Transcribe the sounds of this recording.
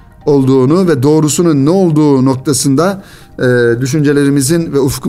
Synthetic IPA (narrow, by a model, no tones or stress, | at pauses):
o̞lˠd̪uːnuvɛd̪o̞ːɾusununːɛo̞lˠd̪uːno̞k̚t̪ʰasɯnd̪a | d̪yʃ̬ynd͡ʒelʲe̞ɾimizinvɛufu̥kʰ